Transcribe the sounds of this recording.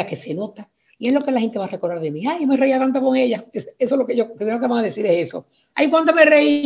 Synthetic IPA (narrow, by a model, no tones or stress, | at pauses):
ake̞se̞no̞t̪a | ie̞ɦlo̞ke̞lahe̞nt̪eβare̞ko̞ɾðaɾðemĩajmereiat̪ant̪oko̞ŋe̞ʎaeesolokeʝopɾimeɾokeaŋaðe̞θiɾese̞so̰ | a̰jkwant̪ome̞rei